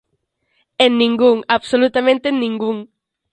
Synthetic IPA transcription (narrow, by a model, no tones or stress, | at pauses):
enːĩŋɡuŋaβsolut̪amẽnt̪enːĩŋɡuŋ